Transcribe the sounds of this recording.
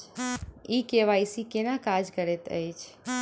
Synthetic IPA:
ikeʋajsikenakad͡ʒkəɾɛt̪ə̰jt͡ʃʰ

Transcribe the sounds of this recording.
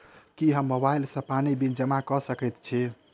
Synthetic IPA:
kiɦəmːobailsə̃panibind͡ʒəmakɔsəkɛt̪t͡ʃʰi

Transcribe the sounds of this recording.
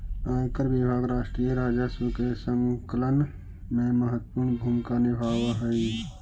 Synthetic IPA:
aːkəɾʋɪbʱaːɡɾaːʃʈɾijeɾaːd͡ʒasʋəkesəŋkələn | mẽməɦət̪ːpuɾnbʱuːmkanɪbʱaːwɦəi

